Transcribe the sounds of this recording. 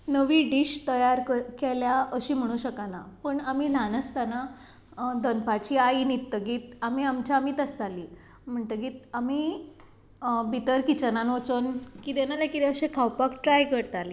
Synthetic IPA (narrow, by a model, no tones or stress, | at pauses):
nəʋiːɖiɕt̪əjaɾkeljaəɕiːm̤əɽ̃uːɕəkanapəɳamiːlanəst̪ana | d̪ənpat͡ɕiːainit̪ːəɡiːt̪amiamt͡ɕaamiːt̪əst̪aliː | m̤əɳt̪əɡiːt̪̚ami | bit̪əɾkit͡ɕananot͡sənkit̪enalakit̪ɛəɕekʰawpakʈɾajkəɾt̪aliː